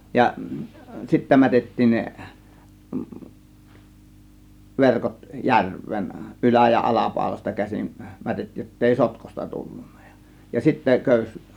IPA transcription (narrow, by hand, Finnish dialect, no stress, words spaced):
jɑ sitːæ mætetːiːn ne ʋerkot jærʋˑeːn ʔylæ jɑ ʔɑlɑpɑˑo̝lɑstɑ kæsin mætetːiːj jotːeˑi sotkostɑ tulːunːɑ̥ j̊ɑ̥ jɑ sitːæ køˑys